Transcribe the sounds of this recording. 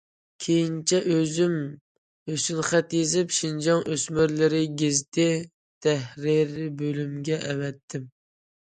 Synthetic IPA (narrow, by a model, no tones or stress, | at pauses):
kʲʰejint͡ʃʰɛʔøzym | øsynχɛt̪jezɪpʃind͡ʒɑŋʔøsmyɾlɪɾɪɡʲɪzt̪ɪ | t̪ʰɛhɾiɾbølymɡʲɛʔɛwɛt̪ʰːɪm